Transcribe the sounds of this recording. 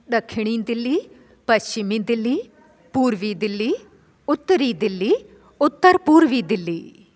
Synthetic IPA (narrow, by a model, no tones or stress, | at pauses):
ɗ̪ɐkʰɪɽ̃iːd̪ɪlːiː | pɐst͡ʃɪmĩːd̪ɪlːiː | puːɾʋiːd̪ɪlːiː | ʊt̪ːɾiːd̪ɪlːiː | ʊt̪ːəɾpuːɾʋiːd̪ɪlːiː